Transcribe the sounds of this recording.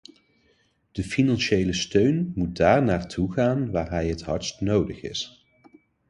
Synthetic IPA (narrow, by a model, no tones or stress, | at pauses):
d̥əfinɑnʃejləstøɥnmut̚daːɹnaːɹtʰuχaːnʋaːɹɦɛjɦətɦɑɹstnowdəχɪ̰s